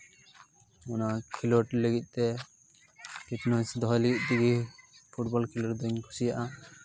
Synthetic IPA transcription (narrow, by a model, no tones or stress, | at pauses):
ɔnakʰilɔʈləɡit̪̚ˀt̪ɛ | ket̪nɔjsd̪ɔɦɔjləɡit̪̚ˀd̪iɡipʰuʈbɔlkʰilɔʈd̪ɔɲkʰusijaʔa